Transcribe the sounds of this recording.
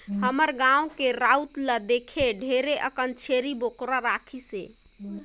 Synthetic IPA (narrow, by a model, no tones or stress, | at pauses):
ɦəməɾɡãwkeɾaut̪ləd̪ekʰeɖʱeɾeʔəkənt͡ʃʰeɾibokɾaɾakʰise